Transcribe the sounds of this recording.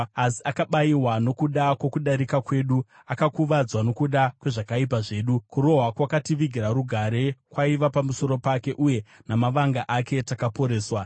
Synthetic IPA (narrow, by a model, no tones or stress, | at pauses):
asi̥akaɓaiwano̞kuɗakwo̞kuɗaɾikakwe̞ːɗu | akakuʋad͡zwano̞kuɗakwe̞ʐakaip̬aʐe̞ːɗukuɾo̞ɦwakwakatiʋiɡʱiɾaɾuɡʱaɾe̞kwaiʋapamuso̞ɾo̞pake̞ʔuje̞ | namaʋaŋɡaʔake̞takapo̞ɾe̞ːswa